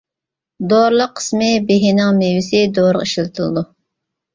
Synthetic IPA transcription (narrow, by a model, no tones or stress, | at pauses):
d̪oɾlˠəqʰːə̥smɪbeɦinɪŋmewɪsɪd̪oɾəqiʃlɨt̪ʰɨlˠɨ̰d̪u